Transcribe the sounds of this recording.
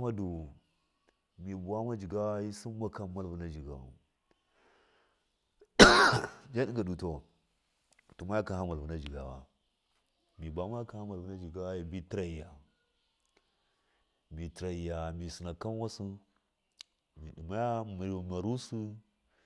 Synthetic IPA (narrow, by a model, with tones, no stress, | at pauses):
ma˦du˨ | mi˨bu˨a˦ma˦d͡ʒi˨ɡa˦wa˦ji˦si˦mː˦a˦ka˨ma˦˨lvu˨na˦d͡ʒi˨ɡa̰˨a̰˨ | d͡ʒa˦di˦ŋɡa˨du˨to˨ | tu˨ma˦ja˦ka˨ha˦ma˨lvu˨na˦d͡ʒi˨ɡa˨wa̰˨ | mi˨bʷu˨a˦ma˦ja˦ka˨ha˦ma˨lvu˦na˦d͡ʒi˨ɡa˦wji˦bi˦tɾa˨i˨ja˨ | mi˨tɾa˨i˨ja˨mi˨si˨na˨ka˦mwa˦su˦ | mi˨ɗi˨ma˦ja˦mi˨ɾma˨ɾu˦su˦